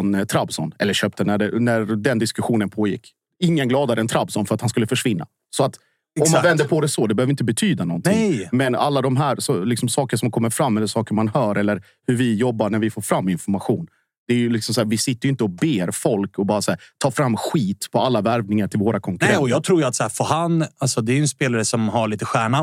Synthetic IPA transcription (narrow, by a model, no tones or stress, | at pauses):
nt̪ʰɾabsɔ̰nɛ̰lːəɾɕøːp̚t̪ənæɖɛnæɾd̪ɛnd̪ɪskɵɧuːnənpʰoːjɪ̰kː | ɪŋːənɡlɑːd̪aɾəɛnt̪ʰɾabsɔnfœɾat̪hanskɵlːəfœʂvɪnːa̰ | sɔat̪ | ɔmːanvɛnd̪əɾpʰɔd̪ɛsɔd̪ɛbɛhøːvɾɪnt̪əbɛt̪ʰyːd̪anɔ̰nt̪ɪŋjmɛna̰lːad̪ɔmɦæːɾsɔlɪksɔmsɑːkəʂɔmkʰɔmːəɾfɾamːɛlːəʂɑːkəɾmanhœːɾʔɛlːəɾ | hʉɾvɪjɔbːaɳæɾvɪfoːɾfɾamːɪnfɔɾmaɧuːn | d̪̥ɛæɾjɵlɪksɔmsæːɾvɪsɪt̪ːəjʏɪnt̪əɔbeːɾfɔlkɔbɑːɾasæːɾt̪ʰɑːfɾamːɧiːt̪pʰɔalːavæɾvnɪŋaʈʰɪlvoːɾakʰɔŋkɾɛɔjɑːɡ̚t̪ʰɾuːjat̪sæːɾfɔhanalsɔd̪ɛæjɵɛnspeːlaɾəsɔmhaɭiːt̪əɧæːɳa